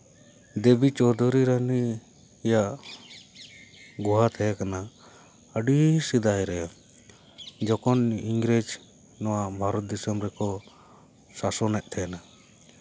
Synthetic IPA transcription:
d̪ebit͡ʃɔd̪ʱuɾiɾaniː | jaʔ | ɡuɦat̪ʰɛjakana | əɖisid̪ajɾɛja | d͡ʒɔkɔniŋɡɾed͡ʒ | nɔwabʱaɾɔt̪̚d̪isəmɾɛkɔ | sasɔnɛʔ̚ˀt̪ʰɛna

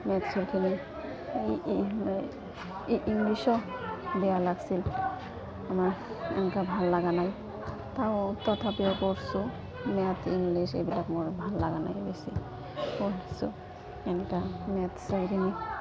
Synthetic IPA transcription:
mɛt̪suɹkʰini | m | ʔːŋɡlisɔbɛjalaɡsil | amaɹ | ɛ̰nkabʱalːaɡanaj | t̪awt̪ɔt̪ʰapiɔkoɹsu | mɛat̪ʰiŋɡliʃḛbilakmoɹbʱalːaɡana̰jbesi | konisṵ | ɛnkamɛat̪sajɾini

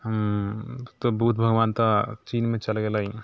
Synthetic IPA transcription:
ɦəm | t̪obʱut̪̚bʱəɡʋaːnt̪at͡ʃiːnmẽt͡ʃəlɡelaɦi

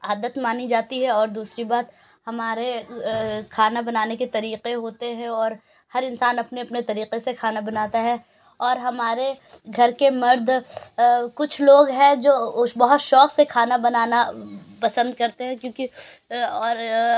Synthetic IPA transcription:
aːd̪ət̪maːnid͡ʒaːt̪iɦɛɔːɾd̪uːsɾibaːt̪ | hɐmaːɾe | kʰaːnabɐnaːneket̪ɐɾiːqeɦoːt̪eɦɛ̃ɔːɾ | hɐɾɪ̃nsaːnɐpneɐpnet̪ɐɾiːqesekʰaːnabɐnaːt̪aɦɛ | ɔːɾɦɐmaːɾeɡʱɐɾkemɐɾd̪ʱ | kʊt͡ʃʰloːɡɦɛ̃d͡ʒoːbɐɦʊt̪ʃɔːqsekʰaːnabɐnaːnapɐsə̃nd̪̚kɐɾt̪eɦɛ̃kjõːki | ɔːɾ

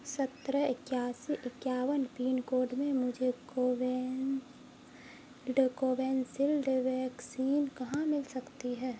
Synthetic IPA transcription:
sɐt̪ɾəɪkjaːsiʔɪkjaːwənpiːnkoːɖmẽmʊd͡ʒʱekoʋ | lɖkoːʋɛːnsɪlɖʋɛːksiːnkɐɦãmɪlsɐkt̪iɦɛː

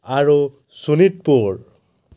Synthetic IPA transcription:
aɹu | sunit̚puɹ

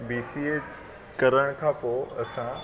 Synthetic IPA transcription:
biːsie | kɐɾəɽ̃kʰãːpoːɐsã

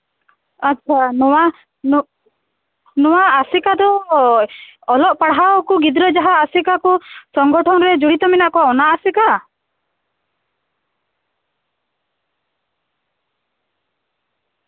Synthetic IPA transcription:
atːt͡ʃʰanɔwa | n | nɔwaːsikad̪ɔ | ɔlɔʔpaɽɦawɔkuɡid̪ɾɔd͡ʒaɦaːsikakusɔŋɡɔʈʰɔnɔɾed͡ʒuɽit̪ɔminaʔkɔwaɔnaʔːsika

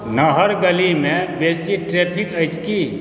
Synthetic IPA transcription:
nəɦəɾɡəlimẽbeːsiʈɾepʰikəɪt͡ʃʰki

